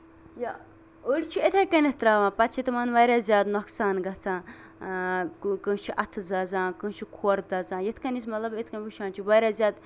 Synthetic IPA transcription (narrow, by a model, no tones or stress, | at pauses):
ja | uɽʲt͡ʃʰiet̪ʰɐjkɐnet̪ɾaːʋãːpɐt̪t͡ʃʰit̪ɐmɐnʋɐɾʲaːzjaːd̪nɔksaːnɡɐt͡sʰãː | kɨt͡ʃʰiʔɐt̪ʰzɐzãːkɨ̃ːt͡ʃʰikʰoːɾd̪ɐzãːjet̪ʰkɐnis̬mɐt̪lɐbet̪ʰkɐnʲbiʃaːnt͡ʃʰiʋɐːɾʲaːzʲjaːd̪